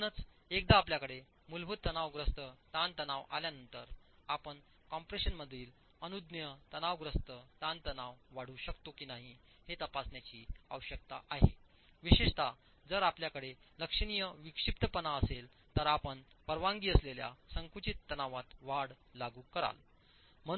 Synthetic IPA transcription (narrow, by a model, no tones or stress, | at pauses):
nət͡s | ek̚d̪aːpljakəɽe | mulbʱut̪ːənaʋɡɾəst̪ət̪ant̪ənaʋa̰ljanənt̪əɾapəɳ | kɔmpɾeɕənməd̪ʱiːl | ənud̪njət̪ənaʋɡɾəst̪ət̪ant̪ənaʋʋaɽ̤uːɕəkt̪okiːnaɦi | het̪əpasnjat͡ɕiːə̰ʋəɕək̚t̪a̰ʔaɦḛ | ʋiɕeʂt̪ʰa | d͡zəɾapljakəɽeləkʂəɳ̃ijəʋikʂip̚t̪əpənaəsel | t̪əɾapəɳ | pəɾʋãŋɡiːəslelja̰səŋkut͡ɕit̪ːənaʋat̪ʋaɽ | laɡuːkəɾa̰l | m̤ə